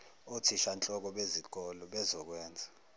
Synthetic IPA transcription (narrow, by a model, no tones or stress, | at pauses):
otʰiʃant͡ɬʼɔk̬ɔɓeziɡ̥̬ʱɔlɔɓɛzɔk̬wɛːnd͡zʱa